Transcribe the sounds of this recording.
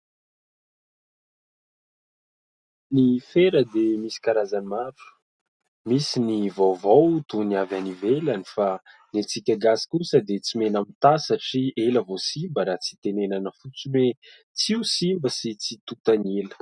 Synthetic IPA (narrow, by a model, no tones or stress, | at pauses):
nifeɾəd̪emisi̥kaɾazanimaɾu̥ | misinivowvowt̪uniavanivelanifa | net͡sikʲaɡasi̥kusəd̪et͡simenamit̪asaʈ͡ʂieləvosimbəɾat͡si̥t̪enenanəfut͡sume | t͡siusimbəsit͡sit̪ut̪anelə̥